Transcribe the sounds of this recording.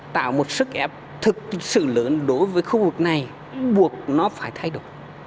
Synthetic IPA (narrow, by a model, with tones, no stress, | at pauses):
t̪a̰ː˧˨wmo˨˩t̚sɨ˦˥k̚ʔɛ˦˥p̚ | t̪ʰɨ˨˩k̚sɨ̰˧˨ləː˨˦nɗo˨˦jvəː˨˦jxu˧vɨ˨˩k̚na˨˩j | ɓu˨˩ək̚nɔ˨˦faː˧˩jt̪ʰa˧jɗo˨˧˩əjj